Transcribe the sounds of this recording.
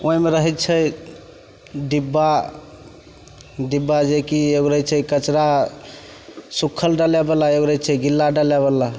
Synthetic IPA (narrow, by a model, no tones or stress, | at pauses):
ʔoɦĩmeɾəɦɛt̪t͡ʃʰə | ɖibːa | ɖibːad͡ʒekieɡɾəɦɛt͡ʃʰɛkət͡ʃɾa | sukʰːəlɖəlebəlaeɡɾəjt͡ʃʰɛɡilːaɖəlɛbəlːa